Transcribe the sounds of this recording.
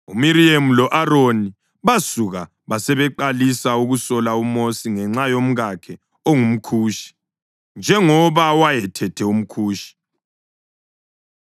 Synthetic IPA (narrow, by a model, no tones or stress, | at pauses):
umiɾiem̩lɔʔaɾoni | βasuɣa | βasɛβɛǃalisauɣusɔlaumosiŋɛŋ͡ǁajom̩ɣakʰɛ | oŋum̩kʰuːʃi̥ | nd͡ʒʱɛŋɔβawajɛtʰɛtʰɛum̩kʰuːʃi̥